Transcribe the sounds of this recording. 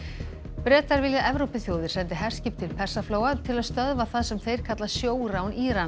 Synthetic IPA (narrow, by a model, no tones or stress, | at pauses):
pɾɛːt̪aɾvɪljaʔɛvɾowpɪθjowðɪɾ̥sɛnt̪ɪɦɛr̥scɪp̚t̪ʰɪlpʰɛr̥safloːwat̪ʰɪlaðst̪œðvaθaðsɛmθejɾ̥kʰat̪lasjoːwɾawniːɾan